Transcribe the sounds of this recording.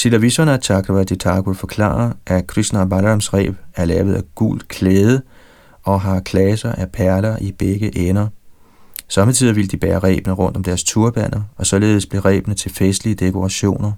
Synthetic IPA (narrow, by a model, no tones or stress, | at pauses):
sʰilæʋisɒnæt͡sʰɑ̈ɡ̥ʁʋæd̥et͡sʰɑ̰̈ːɡofɒ̽kʰlɑ̰̈ːɐʔækʰʁisnæbɑlʁɑmsʁɛ̰ːb̥æɐlɛːʊð̞̩ˠæɡ̥ṵl̰d̥kʰleːð̞ˠə | ɒ̽ɦɑ̈kʰlɛsɐʔæpʰæɐlɐʔib̥eɡ̥əʔenɐ | sɒ̽mət͡sʰið̰ˠɐʋiləd̥ib̥ɛːɐʁɛ̰ːb̥ənəʁɔ̽n̰d̥ɒ̽md̥æɐst͡sʰuɐb̥æn̰ɐɒ̽sɒ̽le̝ːð̞̩ˠsb̥le̝ʁɛ̰ːb̥nət͡sʰe̝lfesd̥liəd̥e̝kʰo̝ʁɑ̈ɕo̝̰ːnɐ